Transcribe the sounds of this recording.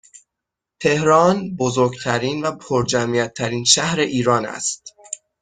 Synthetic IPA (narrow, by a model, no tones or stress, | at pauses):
t̪ʰe̞hɾɒːnbozoɾɡt̪ʰæɾiːnvæpʰoɾd͡ʒæmijæt̪ʰːæɾiːnʃæhɾe̞ʔiːɾɒːnæ̰st̪̚